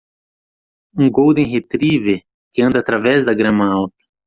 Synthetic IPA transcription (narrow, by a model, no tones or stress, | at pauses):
ũɡowd̪ẽɦet̪ɾive | kɪɐ̃nd̪ɐaːt̪ɾavɛzd̪ɐɡɾɐ̃mɐawt̪ɐ̥